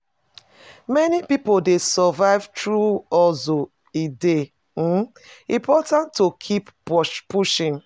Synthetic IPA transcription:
mɛnipipodesəvaɪv̥tɹuɔzo | ede | ĩmpʰɔtãntːokʰippuʃĩŋ

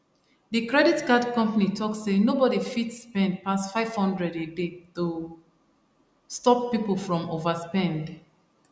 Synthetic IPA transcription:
ðɨkɹɛditɡadkʌ̃mpanitʰɔksenobɔɾifitspɛ̃nd̚pasfaɪv̥hʌ̃ndɹɛdedetu | stɔpːipl̩ˠfɹɔ̃movəspɛ̃nd

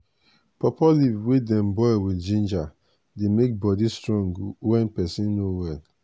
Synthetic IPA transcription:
pɔpɔlivwedɛ̃mbɔɪwild͡ʒĩnd͡ʒa | demek̚bɔdistɹɔ̃ŋɡwɛ̃npɛsĩnːowɛl

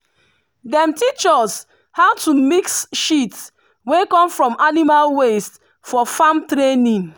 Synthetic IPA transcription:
dɛ̃mtit͡ʃɔs | haʊtumiksʃits | wekɔ̃mfɹɔ̃manimalwest | fɔfãmtɾenĩn

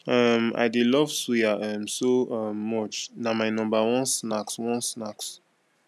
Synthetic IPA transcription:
ɔma̰ɪdelɔv̥swiaʔɔmsoɔmːɔt͡ʃnamaɪnɔ̃mbawɔ̃nsnakswɔ̃nsnaks

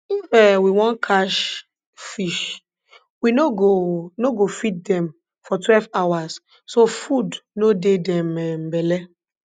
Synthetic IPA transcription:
ifɛwiwɔ̃nkʰaʃ | fiʃ | winoɡonoɡofit̚dɛ̃m | fɔtwɛlvawas | sofudnodedɛ̃mɛm̩bɛlɛ

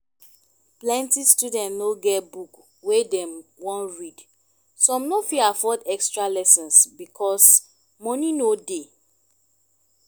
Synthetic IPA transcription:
plɛ̃ntistudɛ̃ntnoɡɛbuk | wedɛ̃mwɔ̃nɹid | sɔ̃mnofiafɔdɛkstɹalɛsɔ̃nsbikʰɔs | mɔninode

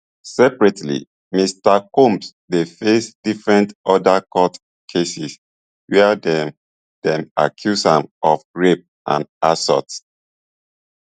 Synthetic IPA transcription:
sɛpɹɛtʰlḭ | mistakũms | defesdifɹɛ̃ntʔɔdakɔt | kʰesis | wɛdɛ | d̥ɛ̃ma̰kʰjusãmɔfɹep̚ | ʔã̰nʔasɔ̰ts

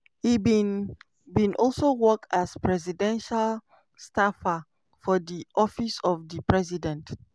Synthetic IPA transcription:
ibĩn | bĩnʔɔlˠsowɔk̚aspɹɛzidɛ̃nʃal | stafa | fɔdiʔɔfisɔfdipɹɛzidɛ̃nt

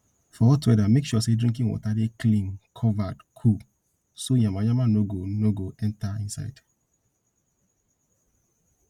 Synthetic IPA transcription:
fɔwɔtuɛdamekʃuɔsedɹĩŋkĩŋwɔ̰tadeklĩmkʰɔvadkʰub | soɲamajamanoɡonoɡoɛ̃ntaĩnsa̰ɪd̥

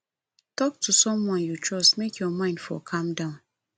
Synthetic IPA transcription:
tɔk̚tʰusɔ̃mwɔ̃njut͡ʃʰɹɔstmekjɔmãɪ̃nd̥fɔ̰kʰãmdãʊ̃n

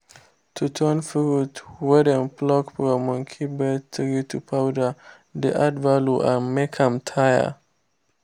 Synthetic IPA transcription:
t̪ʰut̪ʰɔnfɔɾut̪wɛdənplɔkpɾɔmɔŋkʰibɛt̪ʰɾit̪ʰupʰawda | d̪eʔadvaluʔamɛkʰamtʰaja̰

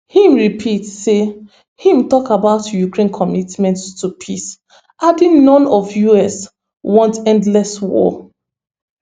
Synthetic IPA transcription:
hĩmɹipʰitse | hĩmtɔkabaʊtjukɹẽnkʰɔmitmɛ̃nttupʰis | ʔadĩnnɔ̃nɔvjuɛs | wɔ̃ntɛ̃ndlɛswɔ̰

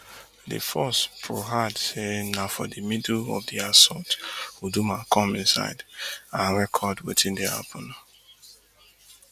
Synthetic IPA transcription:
dḭfɔspʰɹoɦadsenafɔ̰dimidlɔ̰vdiasɔtwudumakʰɔ̃mĩnsa̰ɪdãɹɛkʰɔdwetʰĩndia̰pʰɔna

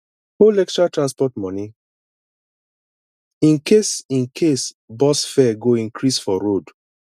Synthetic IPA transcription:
holɛk̚tɹatɹãnspɔtmɔ̃ni | ĩnkesĩnkʰes | bɔsfɛɡoĩŋkʰɹisfɔɹod

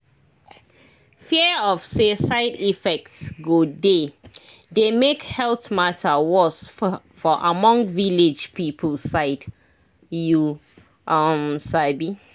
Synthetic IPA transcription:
fiəɔfsesaɪdifɛk̚tsɡode | demekhɛltmatʰəwɔs | fɔʔamɔ̃ŋviled͡ʒpipʰəlsaɪd | ju | ʔamsabi

